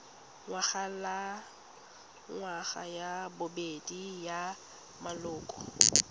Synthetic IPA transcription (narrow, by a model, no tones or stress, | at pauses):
ŋwaɣala | ŋwaχa̰jabʊbedija | malʊːkʼɔ